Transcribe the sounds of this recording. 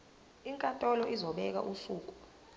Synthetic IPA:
iŋkʼatʼɔlɔʔizɔɓɛk̬a̰ʔusuːk̬ʼu̥

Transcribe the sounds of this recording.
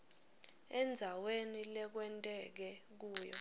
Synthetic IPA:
ɛnd͡zʱawenilɛk̬wɛntʼɛk̬ɛk̬uːjɔ̰

